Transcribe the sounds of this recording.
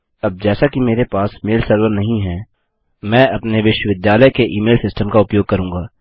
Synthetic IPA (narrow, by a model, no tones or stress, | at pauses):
ɐb̚d͡ʒɛːsakimeːɾepaːsmeːlsəɾʋəɾnɐɦĩɦɛ̃ː | mɛ̃ːɐpneʋɪʃwəʋɪd̪jaːləjkeʔiːmeːlsɪsʈəmkaʊpjoːɡ̚kɐɾũːŋɡaː